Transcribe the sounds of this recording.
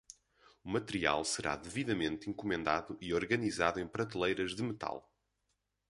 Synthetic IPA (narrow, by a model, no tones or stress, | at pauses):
umɐt̪ɨɾia̰lˠsɨɾa̰ðɨviðɐmẽnt̪ĩŋkumẽnd̪aðuʔiɔɾɣɐnizaðuẽj̃pɾɐt̪ilˠɐjɾɐʒðɨmɨt̪a̰lˠ